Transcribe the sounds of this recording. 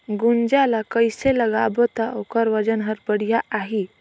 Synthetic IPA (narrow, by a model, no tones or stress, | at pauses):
ɡund͡ʒalakəjseləɡabət̪aʔokəɾʋəd͡ʒənɦəɾbəɽ̤ijaʔaɦi